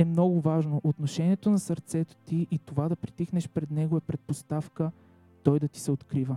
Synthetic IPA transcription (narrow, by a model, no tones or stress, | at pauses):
ɛmnɔɡʊvaʒnoʔot̪noʃɛniɛt̪onɐsəɾt̪sɛt̪o̥t̪iʔit̪ovad̪ɐpɾit̪ixnɛʃpɾɛd̪nɛɡoɛpɾɛt̪̚post̪afkə | t̪ɔjd̪ɐt̪i̥sɛot̪kɾivə